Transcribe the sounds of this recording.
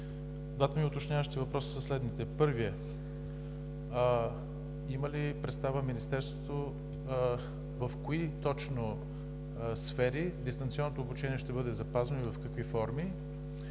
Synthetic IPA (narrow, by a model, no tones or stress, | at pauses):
d̪vat̪əmiʊt̪ot͡ʃnʲjavəʃt̪it̪ivɐpɾɔsə̥sɐslɛd̪nit̪ɛpɤɾviɛ | imɐlipɾɛt̪st̪avəminist̪ɛɾst̪vot̪o | vəfkoit̪ɔt͡ʃno | sfɛɾid̪ist̪ɐnt̪siɔnːot̪oːbut͡ʃɛniɛʃt̪ɛbɤd̪ɛzɐpazɐnoivɐfkɐkvifɔɾmi